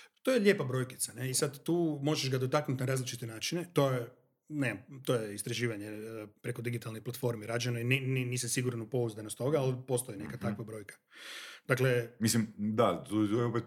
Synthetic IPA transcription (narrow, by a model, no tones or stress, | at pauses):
t̪ojeʎʲepabɾo̞ːjkit̪saneisad̪ːuːmo̞ʒeʒɡad̪o̞t̪aknut̪naɾaːzlit͡ʃit̪enaːt͡ʃinet̪o̞je | nezamt̪o̞ːjeist̪ɾaʒiːʋaɲepɾe̞ko̞d̪iɡit̪alniplˠat̪fo̞ɾmiɾad͡ʒanoinininiːsasiɡuɾanupo̞uzd̪anost̪o̞ɡaalpo̞st̪o̞jinekat̪akʋabɾo̞ːjkʰḁd̥̪akle̞mislimd̪at̪ot̪ojeopet̪